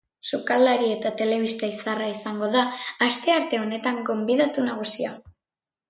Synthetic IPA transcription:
sukald̪aɾie̞t̪at̪e̞le̞β̞ist̪aisaraisaŋɡo̞ðaːst̪e̞aɾt̪e̞o̞ne̞t̪aŋɡo̞mbiðat̪unaɣ̞usia

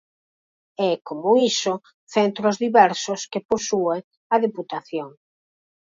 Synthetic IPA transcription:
ɛkomʊiso | θent̪ɾozðiβɛɾsoskeposue | ɐðeput̪aθjoŋ

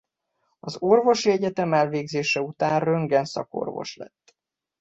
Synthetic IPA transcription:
ɒzo̞rvo̞ʃiɛɟɛt̪ɛmɛlveːɡzeːʃɛut̪aːnrøŋɡɛnsɒ̰ko̰rvo̞̰ʃlɛ̰t̪ː

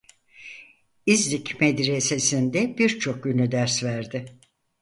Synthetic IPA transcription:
izlʲicmed̪ɾese̞sind̪ɛbiɾt͡ʃʰo̞k̚ɟynlʲyd̪æɾsvæɾd̪ɪ

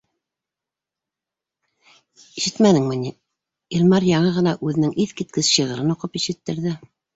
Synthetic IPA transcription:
iʃɘt̪mænɘŋmɘ̆ni | ilʲmɑɾjɑɴɤʁɤ̆nɑʔʉðɘ̆nɘŋʔiθkit̪̚kɘsɕɤ̆ʁɤ̆ɾɤnoqɤpiʃɘ̆t̪ːɘ̆ɾðɘ

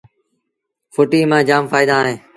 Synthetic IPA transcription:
fʊʈiːmãːd͡ʒaːmfaːɪd̪aːɦẽː

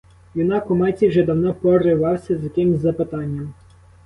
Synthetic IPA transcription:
jʲinɑkʊmɑt͡sʲiwʒɛd̪ɐwnɔpɔɾɪʋɑwsʲɐzʲjɐkɪmzʲzɐpɪt̪ɑnʲːɐm

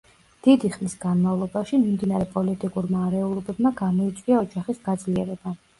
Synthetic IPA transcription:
d̪̥id̪iχmisɡanmavlˠɔbaʃimimd̪inaɾɛpʼɔlit̪ʼikʼuɾmaːɾɛulˠɔbɛbmaɡamɔit̪sʼwiaɔd͡ʒaχisɡad̪zliɛɾɛba

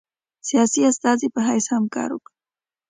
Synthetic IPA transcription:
sijasiast̪azipəɦajshamka̰ɾṵk

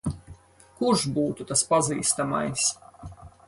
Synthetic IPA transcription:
kuɾʒbuːt̪ut̪aspaziːst̪ama̰js

